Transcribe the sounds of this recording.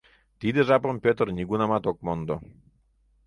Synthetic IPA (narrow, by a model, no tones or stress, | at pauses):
t̪id̪eʒɑpompʲøt̪ərnʲiɡunɑmɑt̪ok̚mond̪o